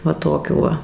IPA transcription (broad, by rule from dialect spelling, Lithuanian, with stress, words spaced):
ˈʋɐ ˈtoːkʲuː ˈʋɐ